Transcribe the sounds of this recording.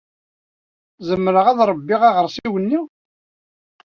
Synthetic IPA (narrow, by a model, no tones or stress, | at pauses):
zəmːɾəʁæðɾˤəbːiʁæʁəɾsiwənːiw